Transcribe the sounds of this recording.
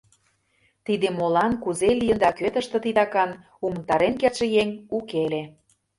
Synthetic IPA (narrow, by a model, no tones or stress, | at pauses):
t̪id̪emolɑnkuzelijənd̪ɑkøt̪ə̆ʃt̪ə̆t̪id̪ɑkɑn | umənt̪ɑɾenkerʃĕjeŋukele